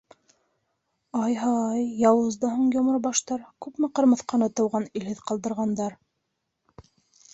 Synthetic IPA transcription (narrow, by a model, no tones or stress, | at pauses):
ɑjɦɑɑjːɑwɤ̆zd̪ɤɦuɴjŏmɤɾbɑʃt̪ɑɾkʉpmɘqɤ̆ɾmɤ̆θqɑnɤt̪ɤ̆wʁɑnilhɘðqɑlˠd̪ɤ̆ɾʁɑnd̪ɑɾ